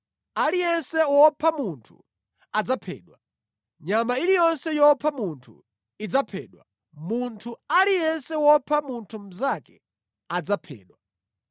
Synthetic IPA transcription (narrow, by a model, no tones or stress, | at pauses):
alijɛnsɛwɔpʰamuntʰu | ad͡zapʰɛ̰ːɗwa | ɲamailijɔnsɛjɔpʰamuntʰṵ | id͡zapʰɛ̰ːɗwa̰ | muntʰualijɛnsɛwɔpʰamuntʰum̩zakɛ | ad͡zapʰɛ̰ːɗwa